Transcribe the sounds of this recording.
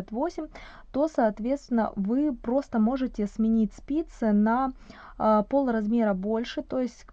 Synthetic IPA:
at̪vo̞sʲɪmʲ | t̪o̞sɐːt̪vʲet̪st̪vʲɪnːə̰vɨpɾo̞st̪əmo̞ʐɨtʲɪsmʲɪnʲit̚ʲspʲit̪sɨnɐ | po̞lˠɾɐzmʲe̞ɾəbo̞lʲʂɨt̪o̞jɪsʲtʲ

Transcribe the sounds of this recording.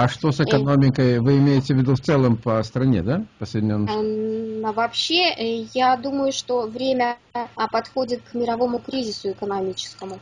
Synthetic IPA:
ɐʂt̪o̞sɨkɐnomʲɪkəjvɨɪmʲeɪtʲɪvʲɪd̪uft̪sɛlˠəmpəst̪ɾɐnʲed̪apəsəɪdʲɪnʲenːnovɐpɕːe̞jad̪uməjʊʂt̪o̞vɾʲemʲəpɐt̪xo̞dʲɪt̪̚kmʲɪɾɐvo̞mʊkɾʲizʲɪsʊɪkənɐmʲit͡ɕɪ̥skəmʊ

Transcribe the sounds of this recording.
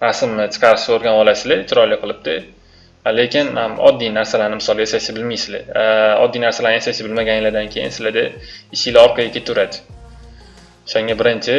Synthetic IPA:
ɾasɪmːɪt͡ʃʰɨ̥qʰɑɾɪʃaoɾɡʲanɒlasɪlɪt͡ʃʰʊɾɒjlːɪqʰɨlˠɪp̚d̪ɪ | lekʲɪnamɒ̰d̪ːijnaɾsalaɾnɪmɪsɒlˠjasajsɪbɪlmijsɪlɪ̰aɒ̰d̪ːijnaɾsalaɾnɪjasajʃɪbɪlmaɡʲanjɪlad̪ankʲʰejɪ̰nsɪlad̪ɪɪʃɪlaɒɾqʰɑɡʲakʲʰet̪ʰʊɾad̪ɪ | o̥ʃaŋɡʲabɪɾɪnt͡ʃʰɪ

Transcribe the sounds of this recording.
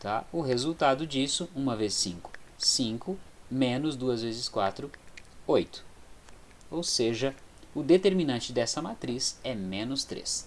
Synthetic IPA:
t̪aʊɦezuwt̪ad̪ʊd͡ʒisʊũmɐvezsĩŋkʊ̥sĩŋkʊmẽnʊzd̪uɐzvezɪskwa̰t̪ɾʊojt̪ʊ̥ | owseʒɐʊd̪et̪eɾminɐ̃nt͡ʃɪd̪ɛsɐmat̪ɾisɛmẽnʊst̪ɾḛs

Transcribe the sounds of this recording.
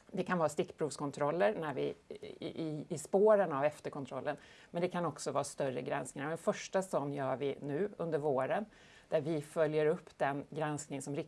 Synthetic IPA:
d̪ɛkʰanvɑːst̪ɪkːpʰɾuːvskʰɔnt̪ʰɾɔlːəɾnæɾvɪ̰ | ɪːspoːɾənavɛft̪əɾkʰɔnt̪ʰɾɔlːənmɛnd̪ɛkʰanɔksɔvɑːst̪œɾə̰ɡɾa̰nsknɪŋaɾɛnfœʂʈasɔnːjœːɾvɪnʉ̟ːɵnd̪əɾvoːɾən | d̪̥æɾvɪfœljəɾɵpːd̪̥ɛnɡɾansknɪŋnsɔmɾɪ

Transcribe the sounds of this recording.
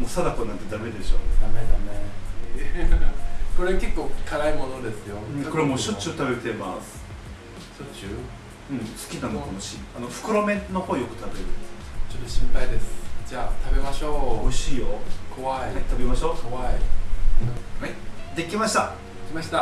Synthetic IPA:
moːsad̪akonãnt̪e̞d̪ame̞d̪e̞ɕo̞ːd̪med̪ame | ko̞ɾeke̞kːo̞ːkʰaɾaimo̞nod̪e̞sɨjoɯ̃ko̞ɾe̞moːɕot͡ɕːɨt̪abe̞ɾɯt̪emasɨ̥ | o | ɯ̟̃ɴsɨ̥kʲinãnokamoɕḭanoɸɯ̥kɯ̟ɾo̞mẽ̞no̞hoːjokɯ̟̥t̪abe̞ɾɯ̟nd̪esɨnet͡ɕot̪ːoɕĩmpaid̪e̞sɨ̥d͡ʑaːt̪abe̞maɕoːoiɕiːjokoβait̪abe̞maɕo̞ːkoai | haid̪e̞kʲimaɕi̥t̪a | kʲimaɕi̥t̪a

